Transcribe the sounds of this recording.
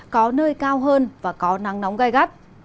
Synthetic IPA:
kɔ˨˦nəː˧jkaː˧wɦəː˧nvaː˨˩kɔ˨˦na˨˦ŋna˨˦wŋ͡mɣa˧jɣa˦˥t̚

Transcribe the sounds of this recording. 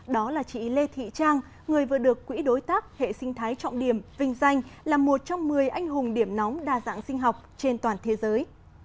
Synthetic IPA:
ɗɔ˨˦laː˨˩t͡ɕḭ˧˨le˧t̪ʰḭ˧˨t͡ɕaː˧ŋ | ŋɨ˨˩əjvɨ˨˩əɗɨ˨˩əkːwḭ˧˥ɗo˨˦jt̪aː˦˥k̚hḛ˧˨sï˧ŋ̟t̪ʰaː˨˦jt͡ɕɔ̰˧˨ŋ͡mɗi˧˩əmvï˧ŋ̟za˧jŋ̟laː˨˩mːo˨˩t̚t͡ɕɔ˧wŋ͡mmɨ˨˩əjʔa˧jŋ̟ɦʊ˨˩ŋ͡mɗi˧˩əmnɔ˨˦wŋ͡mɗaː˨˩za̰ː˧˥˨ŋsï˧ŋ̟ɦɔ˨˩wk͡p̚t͡ɕe˧nt̪waː˨˩nt̪ʰe˨˦zəː˨˦j

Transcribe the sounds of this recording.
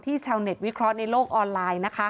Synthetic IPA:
t̪ʰiː˥˩t͡ɕʰaː˧wne˨˩t̪̚wi˦˥kʰɾɔ˦˥ʔna˧jloː˥˩k̚ʔɔː˧nlaː˧jna˦˥kʰa˦˥

